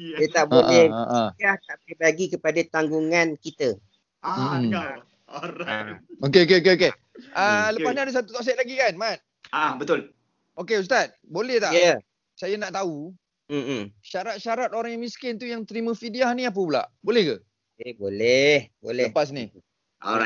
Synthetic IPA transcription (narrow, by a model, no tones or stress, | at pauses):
ət̪aʔbolɛhʔaht̪aʔpibaɡikəpadat̪aŋɡuŋankit̪ə | a | okeokeok̬eoke | ələpasniadas̬at̪u̥t̪ɔk̚s̬ɛt̪̚laɡikanmat̪̚ | abət̪ʊl | okeus̬t̪at̪̚bolɛht̪aʔjə | sajanaʔt̪au | m̩ʃaɾat̪̚ʃaɾat̪oɾaŋjaŋmiskɪnt̪ujaŋt̪əɾimə̃fidiahniap̬əbəla̰ʔbolɛhkə | kebolɛhbolɛəpas̬ni | o̰a